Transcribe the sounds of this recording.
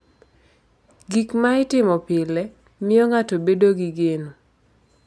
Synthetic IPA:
ɡikmaɪtɪmɔpɪlɛ | mɪɔŋatobedoɡiɡeno

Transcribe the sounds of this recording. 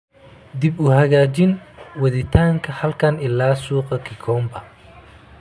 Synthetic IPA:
d̪ɪbʊhɐɣaːt͡ʃɪnwɐðɪt̪ʰaːŋkʰɐhɐlkʰɐnɪlːaːsuːqɐkʰɪkʰɔːmbɐ

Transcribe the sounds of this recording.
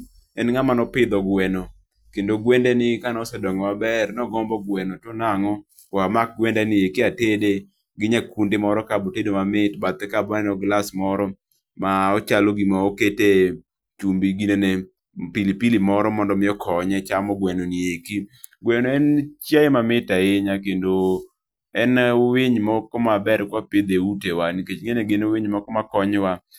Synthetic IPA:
ɛnŋamanɔpɪd̪ɔɡwɛno | kendoɡwendɛnɪkanɔsɛdɔŋɔabɛrnɔɡɔmbɔɡwɛnotonaŋɔ | wamak̚ɡwɛndɛnɪekiatede | ɡɪɲakundemɔɾɔkabotedomamɪtbat̪ɛkabɔɛnɔɡlasmɔɾɔ | maɔt͡ʃalɔɡimaokete | t͡ʃumbiɡinene | pilipilimɔɾɔmɔndɔmɪɔkʰɔɲɛt͡ʃamɔɡwɛnonijekiɡwɛnoɛnt͡ʃjaemamɪtaeɲak̬endo | ɛnweɲmɔkɔmabɛɾkwapɪd̪eutewaniket͡ʃŋeneɡɪnowiɲmɔkɔmakɔɲwa

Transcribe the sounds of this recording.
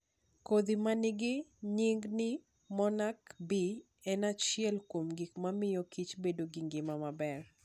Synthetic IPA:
kod̪imanɪɡɪɲiŋɡnɪ | mɔnakbi | ɛnat͡ʃɪɛlkomɡikmamɪjɔkit͡ʃbedoɡɪŋɡɪmamabɛr

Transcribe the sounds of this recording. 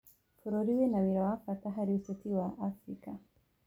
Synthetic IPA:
puɾɔɾiwɛnawiɾawakataɦaɾiutɔtiwaʔafɾika

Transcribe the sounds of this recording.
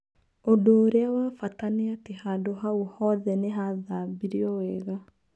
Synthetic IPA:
odoːɾeawafataneatehadoɦauhɔːðɛneɦaðabiɾiɔwɛɣa

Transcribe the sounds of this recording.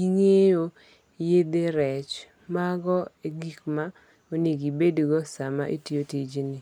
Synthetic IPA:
iŋejo | jed̪eɾɛt͡ʃ | maɡɔeɡikma | oniɡibedɡɔsama̰ʔitiotid͡ʒinɪ

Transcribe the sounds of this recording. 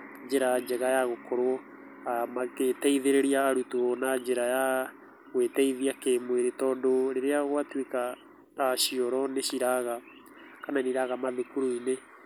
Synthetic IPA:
d͡ʒeɾaad͡ʒɛɣajaɣokʰɔɾwɔ | amaketɛiðeɾeɾiaːɾutunad͡ʒeɾaja | ɣwetɛiðiakeːmweɾetɔːndoɾeɾeaɣwatwekaː | ʃiɔɾɔneɕiɾaɣa | kananiɾaɣamaðekuɾoine

